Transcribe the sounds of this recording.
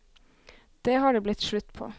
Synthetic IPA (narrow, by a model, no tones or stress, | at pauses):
d̪̥eːhɑːɖeːblɪt̪ʃɭʉt̪ːpʰo̰ː